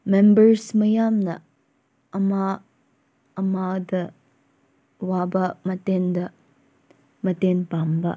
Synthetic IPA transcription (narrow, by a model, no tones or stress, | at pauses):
membɐɾsmɐjamnɐ̰ | ɐmaː | madɐ | wabɐmɐtendɐ | mɐtenpambɐ̰